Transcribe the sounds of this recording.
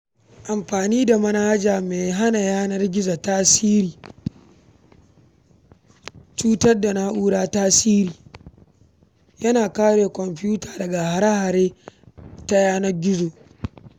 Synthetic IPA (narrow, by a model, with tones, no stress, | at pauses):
ʔa˨mɸaː˨niː˦da˨mɐ˦na˦d͡ʒaː˨meː˨ɦa˦na˨jaː˦nɐ˦rɡʲɪ˦za˨taː˦siː˦ɾiː˨ | t͡ʃuː˦tɐ˦rda˨na˦ʔuː˦ɽaː˦taː˦siː˦ɾiː˨ | jɐ˦naː˨kaː˦ɽeː˨kʷɔ˨mɸjuː˦taː˨dɐ˨ɡa˨ha˨ɾa˦ha˨ɾeː˦ | ta˦jaː˦nɐ˦rɡʲɪ˦zo˨